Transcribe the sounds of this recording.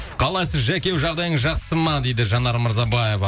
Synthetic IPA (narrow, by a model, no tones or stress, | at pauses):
qʰɑlˠɑsəʒækʲe̞wʒɑʁd̪ɑjəɴʒɑqsəmɑd̪ejd̪ɪʒɑnɑɾməɾzɑbɑje̞vɑ